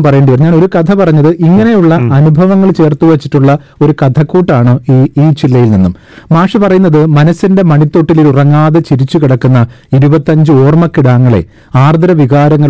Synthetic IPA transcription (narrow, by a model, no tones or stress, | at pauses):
mpɐrɐjeːɳɖiʋɐrɲaːno̞ɾukɐt̪ʰɐpɐrɐɲːɐðɨʔiŋːɐne̞juɭːɐʔɐnubʱɐʋɐŋːɐɭt͡ɕe̞ːrt̪uʋɐt͡ɕːiʈːuɭːɐ | o̞ɾukɐt̪ʰɐkːuːʈːaːɳɨiːiːt͡ɕilːɐjilninːum | maːʂɐpɐrɐjunːɐðɨmɐnɐsːinde̞mɐɳit̪ːo̞ʈːiliɾurɐŋːaːðɐt͡ɕiɾit͡ɕːukiɽɐkːunːɐiɾubɐt̪ːɐɲd͡ʑɨo̞ːrmɐkːiɽaːŋːɐɭe̞̰ | aːrd̪ɐɾɐʋiɣaːɾɐŋːɐɭ